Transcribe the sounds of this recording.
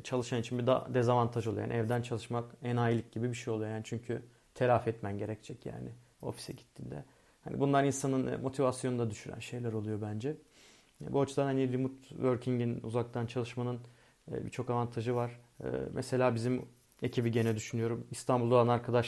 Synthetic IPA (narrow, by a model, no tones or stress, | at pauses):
t͡ʃʰalˠɯʃanit͡ʃʰinbid̪a̰d̪ezavant̪ʰaʒolˠja̰nʔɛvd̪ænt͡ʃʰalˠɯʃmakɛnaːjilʲic̚ɟibibiʃejo̞lˠujojaːnit͡ʃʰyɲcʰy | t̪ʰe̞lʲafɛt̪mænɟe̞ɾɛct͡ʃʰɛcja̰ːnɪ | o̞̰fi̥sɛɟit̪ʰːind̪ɛ̰ | hanḭbunlˠaɾinsanɯnmo̞t̪ʰivasjo̞nd̪ad̪yʃyɾæ̰nʃe̞jlʲæɾo̞lˠujo̞bænd͡ʒɛ | buat͡ʃʰud̪anhanilimut̪vøɾcʰiɲɟinṵzak̚t̪ʰant͡ʃʰalˠɯʃmanɯn̰ː | bḭt͡ʃʰo̞kavant̪ʰaʒɯvaɾ̥ɯ̰ːmʔɛse̞lʲaːbizim | e̞cʰibiɟe̞nɛd̪yʃynyjo̞ɾumist̪ʰanbulˠoanaɾkʰad̪aʃ